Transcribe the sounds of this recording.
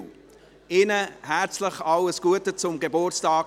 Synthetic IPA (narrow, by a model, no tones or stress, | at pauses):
ɪnəhæt͡sləχɑləsɡ̥uətət͡sʊmɡebʊrt͡stɑːk